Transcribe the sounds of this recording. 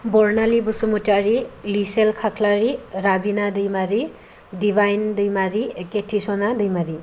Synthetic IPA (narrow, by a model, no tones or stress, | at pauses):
bɔɾnalibusumutaɾiliselkʰakʰlaɾiɾabinadɯjmaɾi | dibʱajndɯjmaɾieketʰisɔnadɯjmaɾi